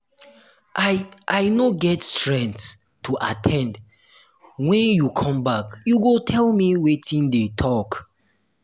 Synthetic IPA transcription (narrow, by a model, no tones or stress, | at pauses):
ʔaʔajnoɡɛtstɹɛ̃nts | tʰuʔatʰɛ̃nd | wɛ̃njukʰɔ̃mbakjuɡotʰɛlmiwetʰĩndetʰɔk